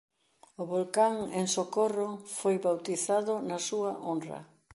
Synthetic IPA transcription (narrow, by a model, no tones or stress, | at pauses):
ʊβolkaŋeŋsokorofojβawt̪iθaðʊnɐsuɐʔonrɐ̰